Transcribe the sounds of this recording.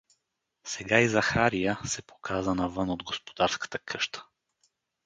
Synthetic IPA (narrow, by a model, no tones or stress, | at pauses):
sɛɡaizɐxaɾijəsɛpo̥kʰazənɐvɤnod̪ɡospo̥d̪aɾskə̥t̪əkʰɤʃt̪ə̥